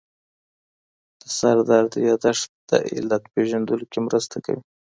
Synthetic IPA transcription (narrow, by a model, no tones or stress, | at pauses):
d̪̥əsaɾd̪ɑɾd̪əjɑd̪aʂd̪̥a̰ʔɪ̰lat̪peʒand̪əlokemɾəst̪aka̰wi